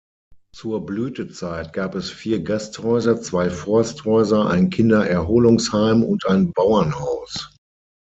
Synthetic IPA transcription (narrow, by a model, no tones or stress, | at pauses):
t͡suːɐblyːtət͡saɪt̚ɡ̥aːpɛsfiːɐɡasthɔʏzɐt͡sv̥aɪfɔɐsthɔʏzɐʔa̰ɪnkʰɪndɐʔɛɐɦoːlʊŋshaɪmʊ̰ntʔaɪnbaʊɐnhaʊs